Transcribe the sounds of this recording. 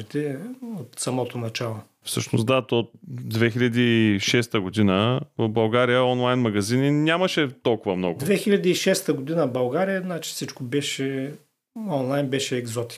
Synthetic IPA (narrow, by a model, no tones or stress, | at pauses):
it̪ɛot̪sɐmɔt̪onɐt͡ʃalˠo | fsɤʃnosd̪at̪ot̪̚d̪vɛxiʎʲɐd̪iːʃɛst̪əɡod̪inəbɐlˠɡaɾijəɔnlˠajnmɐɡɐzininʲaməʃɛt̪ɔlˠkʊvəmnɔ̰ɡʊd̪vɛxilʲɐd̪iːʃɛst̪əɡod̪inəbɐlˠɡaɾijənat͡ʃi̥fsit͡ʃkobɛʃɛ | ɔnlˠajnbɛʃɛːɡzɔt̪i̥k